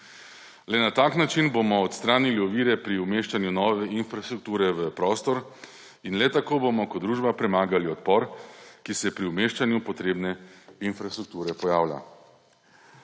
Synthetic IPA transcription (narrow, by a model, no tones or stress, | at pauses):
lɛnat̪aːknat͡ʃinbomɔɔt̪st̪ɾaːniliɔʋiːɾɛpɾiumeːʃt͡ʃanjunɔːʋɛinfɾast̪ɾuk̚t̪uːɾɛʋəpɾɔːst̪ɔɾ | inlɛt̪akoːbomɔkɔd̪d̪ɾuːʒbapɾɛmaːɡaliɔt̪pɔɾkisɛpɾiumeːʃt͡ʃanjupɔt̪ɾeːbnɛinfɾast̪ɾuk̚t̪uːɾɛpɔjaːwla̰